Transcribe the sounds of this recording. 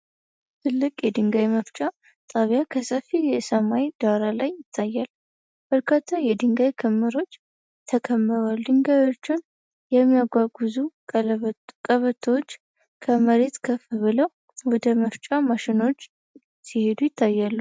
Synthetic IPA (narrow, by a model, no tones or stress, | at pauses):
t̪ʰɨlːɨkʼjɛd̪ɨŋɡajməft͡ʃʼa | t̪ʼaβjakʰəsəfijɛsəmajd̪̥aɾalajɪt̪ʰːajːal | b̥əɾkʰat̪ʰːajɛd̪ɨŋɡajkʰəmːɨɾo̞t͡ʃː | t̪ʰəkʰəmːɨɾald̪ɨŋɡajo̞t͡ʃːɪn | jɛmːijaɡʷaɡɨzu | kʼəβət̪ʰot͡ʃː | kʰəməɾe̞t̪kʰəfɨβɨləw | wɔd̪əməft͡ʃʼamaʃɪno̞t͡ʃː | sihe̞d̪ujɪt̪ʰːajːalːu